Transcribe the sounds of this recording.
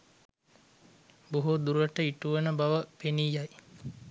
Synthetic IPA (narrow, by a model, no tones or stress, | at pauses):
boɦud̪uɾəʈəiʈuʋənəbɐʋəpenijaj